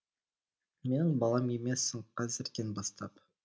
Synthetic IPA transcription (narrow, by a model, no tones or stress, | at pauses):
me̞nɪŋbɑlˠɑme̞me̞sːɪŋqʰɑzɪɾkʲenbɑst̪ɑp